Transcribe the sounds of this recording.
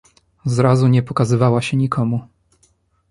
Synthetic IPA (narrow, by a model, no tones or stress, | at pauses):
zɾazuɲɛpɔkazɘvawaɕɛɲikʰɔmu